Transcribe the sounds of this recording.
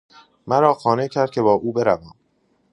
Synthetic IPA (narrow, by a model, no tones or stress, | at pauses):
mæɾɒːxɒːnecʰæɾd̪̚cʰe̞bɒːʔuːbeɾævæːm